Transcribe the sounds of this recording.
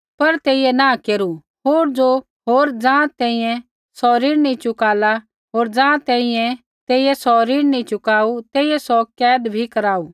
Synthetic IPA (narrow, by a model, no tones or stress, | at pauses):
pɐɾt̪eːɪjɛnakeːɾu | ɦoːɾd͡ʒo | ɦoːɾd͡ʒãːt̪ɛ̃ːĩjɛ̃ | sɔɾiːɽnĩt͡ʃʊkaːla | ɦoːɾd͡ʒãːt̪ɛ̃ːɪ̃jɛ̃ | t̪eːɪjɛsɔɾiːɽnĩt͡ʃʊkaːut̪eːɪjɛsɔkɛːd̪bʱikɐɾaːuː